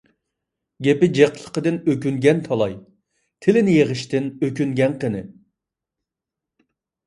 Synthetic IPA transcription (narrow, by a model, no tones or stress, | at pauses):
ɡʲepɪd͡ʒeqlˠə̥qəd̪ɨnøk̬ʲyŋɡʲɛnt̪ʰɑlˠɑj | t̪ʰɪlɪnɪjeʁəʃt̪ɪnøkʲyŋɡʲɛnqənɨ